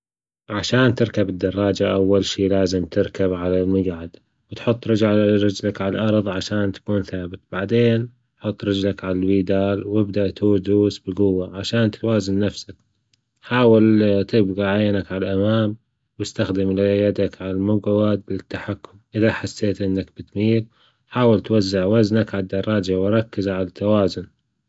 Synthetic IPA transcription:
ʕaʃaːnt̪ɪɾkabɪd̪ːɑrˤːɑːd͡ʒaʔawːalʃiːlaːzɪmt̪ɪɾkabʕalalmʊɡʕad̪ | wɪt̪ħʊt̪ˤːɾɪd͡ʒʕaɾˤɪd͡ʒlakʕalʔɑɾˤðˤʕaʃaːnt̪ḁkuːnθaːbɪt̪b̥aʕd̪eːn | ħʊt̪ˤːɾˤɪd͡ʒlakʕalalwiːd̪aːlwɪbd̪aʔt̪uːd̪uːsbɪɡʊwːaʕaʃaːnt̪waːzɪnːafsak̚ | ħaːwɪlt̪ɪbɣaʕajːnakʕalaʔamaːm | wɪst̪axd̪ɪmljad̪akʕalalmʊɡwad̪̚bɪt̪ːaħakːʊmʔɪðaħasːeːt̪ʔɪnːakb̥ɪt̪miːl | ħaːwɪlt̪wazːɪʕwaznakʕad̪ːɑɾˤːɑːd͡ʒawɾˤɑkːɪzʕalat̪ːawaːzʊn

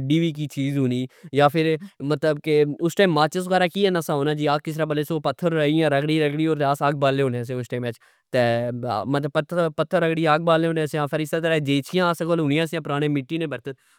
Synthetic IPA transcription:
ɖiːʋiːk̬iːt͡ʃiːzɦoːniːjaːpʰɪɾmət̪ləbkeʊsʈaːmːaːt͡ʃəs̬ɡaːɾaːkiːɛːnasaːɦoːnaːd͡ʒiːaːkkɪsɾaːbəleːsoːpət̪ʰːəɾəijãːɾəkɽiːɾəkʰɽiːoːɾt̪ːaːsaːɡ̚baːlːeːɦoːneãːs̬eʊsʈaːmɛːt͡ʃ | t̪eːmət̪ləbpət̪ʰːəpət̪ʰːəɾːəkɽiːaaːɡ̚baːleːɦõːneaːsjãːpʰəɾɪst̪aːt̪əɾaːd͡ʒeːt͡ʃʰɪjãːskoːlɦʊnɪjãːsjãːpʊɾaːɽ̃eːmɪʈːiːnẽːbəɾt̪ət̪̚

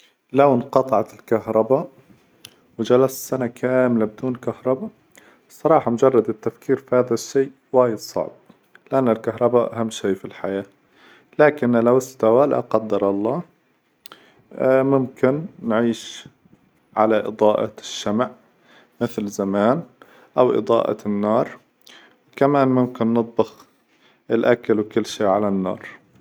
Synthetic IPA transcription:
lawnqɑt̪ˤɑʕɑt̪ɪlkahɾˤɑba | wd͡ʒalassanakʰaːmlabɪd̪uːnkahɾˤɑba | sˤːɑɾˤɑːħɑmʊd͡ʒɑrˤːɑd̪ɪt̪ːafkiːɾfihaːðaʃːeːʔ | waːjɪd̪sˤɑ̰ʕb̚ | lɪʔanːalkaɦɾˤɑbaʔaɦamːʃeːfilħajaː | laːkɪnlawɪst̪awala̰qɑd̪ːɑɾˤɑlˤːɑː | mʊmkɪnːʕiːʃ | ʕalaʔɨ̰d̪ˤɑːʔɑ̰ʃːamʕ | mɪθlzamaːn | ʔawʔɨ̰d̪ˤɑ̰ːʔɑ̰nːɑːɾˤ | wkamaːnmʊmkɪnːɨt̪̚ˤbɑx | ʔɪlʔakalwkʊlːʃiːʕalanːɑ̰ːɾˤ

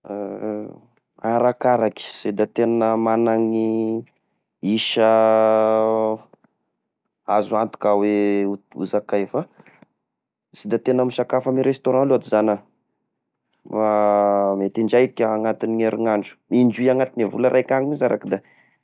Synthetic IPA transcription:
aɾakaɾaki̥sed̪at̪enəmanaŋi | iʃə | azuant̪u̥kaweṵzakajfa | sid̪at̪enəmisakafamiɾest̪oɾɑ̃loat̪izanə | mamet̪iɳɖ͡ʐajkʲaːŋat̪iniŋeɾiŋaɳɖ͡ʐu̥minɳd͡ʒuiaŋat̪inevuləɾʔajkʲaŋimizaɾakid̪a

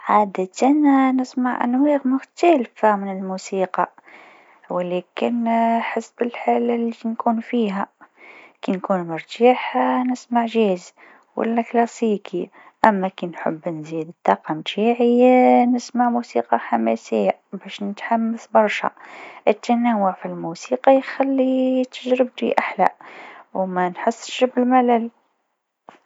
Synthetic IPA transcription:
ʕaːd̪ət̪annɪsmaʕʔæ̰nwiɣmʊxt̪ælfamɪnəlmuːsiːqɑ | wlæːkɪnħəsbəlħalalːinkuːnfiːɦæ | kinkuːnmɑɾˤt̪aːħanɪsmaʕʒiːz | wa̰lːæklɑsiːkʰi | ʔæmːakinħə̰bːnziːd̪ət̪ːɑːqɑmt̪ʰiʕɪjːanɪsmaʕmusiːqɑħamæsɪjːabæːʃnɪt̪ħamːaθbɑɾˤʃa̰ʔət̪ːanawʊʕfilmusiːqɑjxælːit̪əʒɾɪb̚t̪ḭʔaħla̰wmænħɪsːʃbɪlmalæl

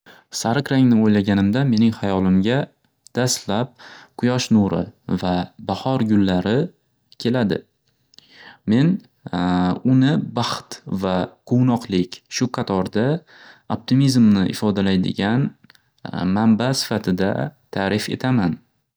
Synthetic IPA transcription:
saɾɪqɾaŋnɪojlaɡʲanɪmd̪ame̞nɪŋhajɒlˠɪmɡʲa | d̪̥ast̪lap̚qʰʊjɒʃnuɾɪ̰vabahɒɾɡʲʊlːaɾɪ | kʲʰe̞lad̪ɪ̰ | me̞n | ʊnɪbɑχt̪vaqʰownɒqlˠɪkʲʃʊqʰɑt̪ʰɒɾd̪a | op̚t̪ʰimizmnɪʔɪ̰fɒd̪alajd̪ɪ̰ɡʲan | mambasɪ̥fat̪ʰɪd̪a̰t̪ʰaɾɪfe̞̰t̪ʰaman

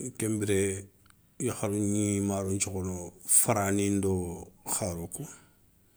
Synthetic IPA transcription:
kembiɾe | jixaɾuɲimaɾuɲt͡ʃukonofaɾanindoxaɾoku

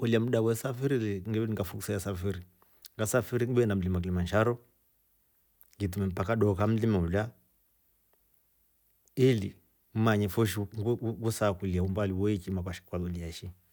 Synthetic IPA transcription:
uliam̩ɗawɛsafiɾiliŋɡɛɛiŋɡafuku̥sajasafiɾi | ŋɡasafiɾiŋbɛndam̩limak̬ilimanʃaɾɔ | ŋɡit̬umɛm̩pakaɗɔkam̩limaula | ili | m̩maɲɛfɔʃiŋɡusakuliaumbaliwɔit͡ʃimakaʃi̥kwalɔliaʃi

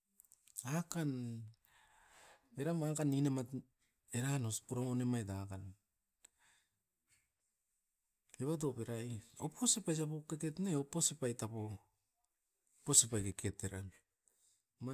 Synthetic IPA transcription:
akan | eɾamakanːinemat | eɾanospuɾamone̞majtaakan | eβat̬opeɾajo̞pʰosepajs̬apokeketneoposepajtapo | posepajkekʰetːeɾam | ma

